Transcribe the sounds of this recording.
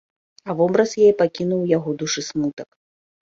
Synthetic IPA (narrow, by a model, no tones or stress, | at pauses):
ɐvɔbɾɐsjajɛpakʲinuwjaɣɔd̪uʂɨsmut̪ɐk